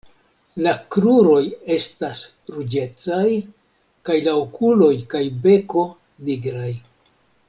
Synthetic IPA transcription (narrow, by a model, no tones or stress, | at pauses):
lakɾuɾo̞je̞stas | ɾud͡ʒe̞t͡saj | kajlaokʰulo̞jkajbe̞ko̞ | niɡɾaj